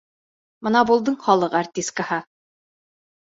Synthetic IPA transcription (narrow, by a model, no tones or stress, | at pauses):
mɤ̆nɑbulˠd̪ɤɴχɒlˠɤqart̪ʲist̪̚kahɑ